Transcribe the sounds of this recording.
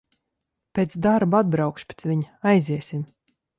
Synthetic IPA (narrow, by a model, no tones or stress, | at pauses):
pʲeːt̪sd̪aɾbuad̪bɾawkʃpʲet̪svʲiɲ | ajziɛsʲim